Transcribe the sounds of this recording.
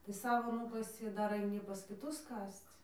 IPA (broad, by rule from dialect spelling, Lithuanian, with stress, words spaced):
tɐɪ ˈsɑːʋoː ˈnuːkɐsʲɪ ɪ ˈdɐr ɐɪˈnʲiː pɐs kʲɪˈtʊs ˈkɐst͡s